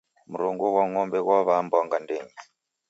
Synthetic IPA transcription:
muɾuŋɡuɣwaŋɔmbɛɣwaβambɔŋɡandeːɲi

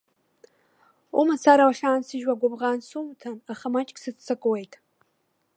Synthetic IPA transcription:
umasaɾawaɬaːnsɨʒwaɡʷabʁaːnsumtʰanaχamat͡ʃʼkʼsɨt͡st͡sʰːakʼwejtʼ

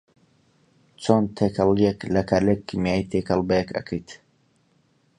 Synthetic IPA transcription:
t͡sont̪ʰekʰɐlˠijeklɐkʰalekmijajt̪ʰekʰəlˠbejekʰɐ̰kʰəjt̪

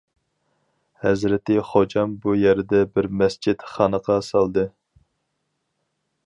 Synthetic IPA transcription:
hɛzɾɪt̪ɪχod͡ʒɑmbujæɾɪd̪ɛbɪɾmɛst͡ʃʰid̪χɑːnəqʰɑsɑlˠd̪ɨ

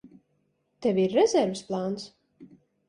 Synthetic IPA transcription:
t̪ɛvʲiɾːɛzʲɛɾvɨsplˠaːns

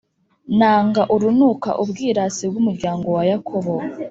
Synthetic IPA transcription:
naːŋɡaʔuɾunuka̰ʔubɡiːɾasibɡumuɾɟaːŋɡo̞wajakʰoβo

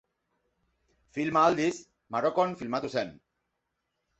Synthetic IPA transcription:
filmaald̪is | maɾokonfilmat̪usen

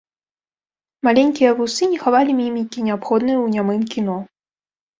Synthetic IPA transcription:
malʲɛnʲkʲijɐvusɨnʲɛxavalʲimʲimʲikʲinʲɛapxɔd̪nɨjwnʲamɨmkʲinɔ

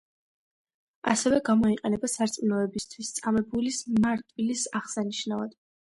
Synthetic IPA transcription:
a̰sɛvɛɡamɔiqʼɛnɛbasaɾt̪sʼminɔɛbist̪ʰwist̪sʼamɛbulismaɾt̪ʼvilisaʁsaniʃnavad̪̥

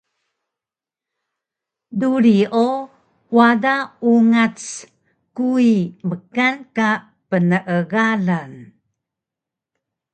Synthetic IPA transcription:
duɾiʔo | wadauŋat͡s | kuiməkanka | pənəʔəɣalan

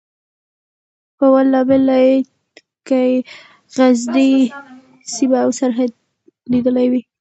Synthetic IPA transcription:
pəwalːɑbɪlaj | kaj | ɣazdi | sibaːwsaɾɦad̪̚ | lid̪əlajwi

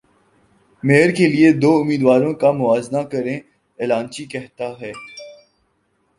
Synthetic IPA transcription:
meːəɾkelied̪oːʊmiːd̪ʋaːɾõkamʊaːznakɐɾẽ | eːlãːnt͡ʃikɛɦt̪aɦɛː

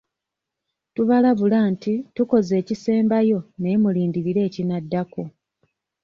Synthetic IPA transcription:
tuβalaβulaːntituko̞ze̞ːcise̞ːmbajo̞ne̞muliːndiɾiɾe̞ːcinadːako

